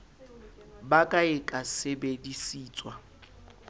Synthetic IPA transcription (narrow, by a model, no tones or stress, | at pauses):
bakʼaɪkʼasebedisiːt͡sʼwa